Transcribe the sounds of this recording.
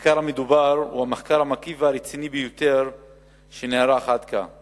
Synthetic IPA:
kaɾhamed̪ubaɾṵhameχkaɾhamakiveaɾet͡sinibejot̪eɾ | ʃeneaɾaːχat̪ka̰

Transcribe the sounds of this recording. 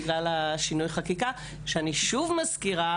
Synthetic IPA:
ɡlalaʃinujχakika | ʃeaniʃuvmaskiʁa

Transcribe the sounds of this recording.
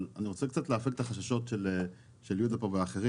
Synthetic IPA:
laniʁot͡sekt͡sat̪leafeɡet̪aχaʃaʃo̞tʃele | ʃeljud̪apoveaːχeʁi

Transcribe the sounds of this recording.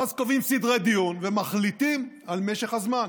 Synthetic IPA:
azkovimsidʁed̪ijunvemaχlit̪im | alme̞ʃeχhazman

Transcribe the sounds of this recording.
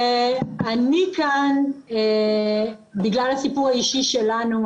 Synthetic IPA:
anikane | biɡlalhasipuʁhaiʃiʃelanu

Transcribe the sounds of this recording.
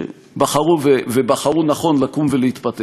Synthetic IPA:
baχaʁuvevebaχaʁunaχo̞nlakumveleit̪pat̪e

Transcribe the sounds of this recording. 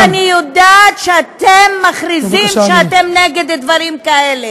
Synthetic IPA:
anijodatʃeat̪emːaχɾizimʃeat̪emneɡed̪d̪vaɾimkaele̞

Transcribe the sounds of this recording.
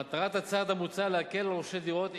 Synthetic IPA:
at̪aʁat̪hat͡sad̪hamut͡saleɦakelʁoʃed̪iʁo̞t̪

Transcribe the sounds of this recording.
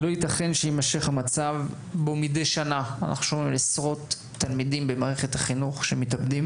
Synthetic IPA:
lo̞hit̪aχe̞nʃejimaʃe̞χhamat͡sav | bomidejʃanaa̰na̰χnuʃomimlesʁo̞tː | almidimbemaːʁeχethaχinuχʃemitabdim

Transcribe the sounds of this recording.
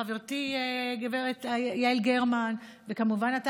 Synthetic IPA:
aveʁtieɡeveʁet̪jailɡeʁman | vekamuvanat

